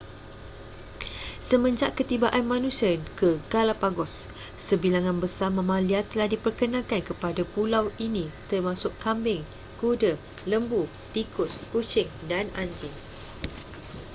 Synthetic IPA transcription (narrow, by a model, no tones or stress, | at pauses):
səmə̃ɲd͡ʒaʔkət̪ibaʔanmãnũsiənkəɡalapaɡɔsːəbilaŋãnbəsamə̃mãliat̪ːəlahdipərkənãkankəpadapulawinĩt̪ərmãsʊʔkambɪŋ | kudə | ləmbu | t̪ikʊskut͡ʃɪŋdanaɲd͡ʒɪŋ